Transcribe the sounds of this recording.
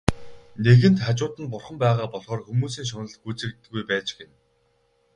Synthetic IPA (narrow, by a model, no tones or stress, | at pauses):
neɣɘ̆nt̪χat͡ɕʊːt̪ɘ̆npʊrχə̆mpæːʁaːpɔɮʁɔːrxumuːs̬iːŋʃ̬ɔnɞ̆ɮtɡut͡sɘ̆ket̪ːɘ̆ɣujpæːt͡ɕɡen